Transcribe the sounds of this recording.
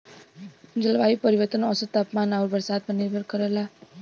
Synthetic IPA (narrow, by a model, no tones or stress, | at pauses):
d͡ʒəlʋaipəɾiʋət̪ənɔsət̪ːapmanauɾbəɾsaːd̪̚pəniɾbʱəɾkəɾəla